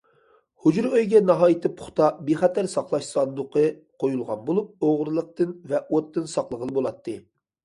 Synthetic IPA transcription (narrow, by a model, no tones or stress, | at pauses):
hud͡ʒɾøjɡʲɛnɑɦɑːjit̪ʰɨpʰʊ̥χt̪ʰɑbeχɛt̪ʰæɾsɑqlˠɑʃsɑnd̪ʊqʰɨqʰojulˠʁɑnbolˠup̚oʁɾɨlˠəq̚t̪ɨnvɛʔot̪ːɨnsɑqlˠəʁəlˠɨbolˠɑt̪ʰːɨ